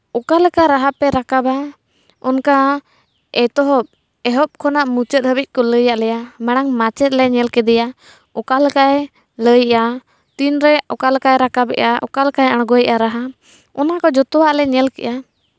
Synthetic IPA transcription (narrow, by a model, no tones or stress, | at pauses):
ɔkalkaɾaɦapɛɾakaba | ɔnka | ɛt̪ɔɦɔp̚ | ɛɦɔp̚kʰɔnaʔmut͡ʃət̪̚həbic̚kɔləjaʔlɛjamɛɽ̃aŋmat͡ʃɛt̪̚lɛɲɛlkɛd̪ɛja | ɔkalkaɛ | ləjʔa | t̪inɾɛɔkalkaɛɾakabɛ̰ʔaʔɔ̰kalkajəɽ̃ɡɔjʔaɾaɦa | ɔnakɔd͡ʒɔt̪ɔwaʔlɛɲɛlkɛ̰ʔa